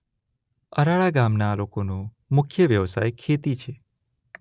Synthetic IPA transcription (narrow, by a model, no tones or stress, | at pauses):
əɾaɭaɡamnalokonõ | mʊkʰjəʋjəʋsa̰jkʰet̪it͡ʃʰe